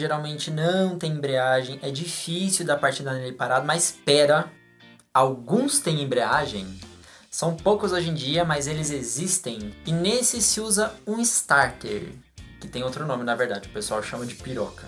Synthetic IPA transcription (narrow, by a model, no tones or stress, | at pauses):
ʒeɾawmẽnt͡ʃɪnɐ̃w̃t̪ẽj̃ẽbɾiaʒẽj̃ɛd͡ʒifisuwd̪ɐpaɾt͡ʃid̪ɐnelɪpaɾad̪ʊmɐzspɛɾɐ | awɡũst̪ẽj̃ẽbɾiaʒḛ̃j̃ | sɐ̃w̃powkʊzoʒẽd͡ʒiɐmɐzelɪzezist̪ẽj̃ɪnesɪsɪuzɐũɪst̪aɾt̪ḛɾ | kɪt̪ẽj̃owt̪ɾʊnõmɪnɐveɾd̪ad͡ʒɪʊpesuawʃɐ̃mɐd͡ʒɪpiɾɔ̰kɐ